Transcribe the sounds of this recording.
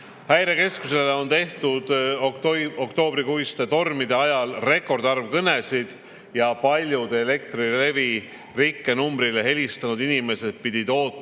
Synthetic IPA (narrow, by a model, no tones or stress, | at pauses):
hæjɾe̞ke̞skus̬eleo̞nt̪e̞ht̪ud̪̥ | okt̪o̞ːbɾikujst̪e̞t̪o̞rmid̪e̞ɑjɑlre̞kːo̞rd̪̥ɑrvkɤne̞sid̪̥ | jɑpɑlʲjud̪̥eːle̞k̚t̪rile̞vi | rikːe̞numbɾile̞ɦe̞lʲist̪ɑnud̪inime̞se̞d̪̥̚pid̪̥ʲid̪o̞ːt̪ːˑ